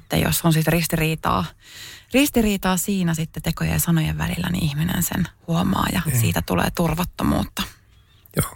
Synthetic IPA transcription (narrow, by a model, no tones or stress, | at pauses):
t̪ːḛjo̰sːonsit̪rist̪iriːt̪ɑ̰ːrist̪iriːt̪ɑːsiːnæsit̪ːet̪ekojḛjɑsɑnojeʋʋælilːænḭʔihminḛnsḛnhuomɑ̰ːjɑsiːt̪æt̪ulḛːt̪urʋɑt̪ːomṵːt̪ːɑ | jo